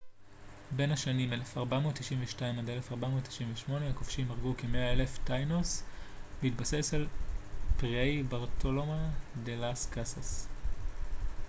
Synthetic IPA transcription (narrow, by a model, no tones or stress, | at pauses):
be̞nhaʃanime̞lefaʁbamotːiʃimveʃtaimad̪elefaʁbamo̞ːt̪ʰːi̥ʃimveʃmo̞neakofʃimaʁɡukemeae̞leftajnosbehitbase̞salpʁejbaʁt̪ʰolomadelaskasas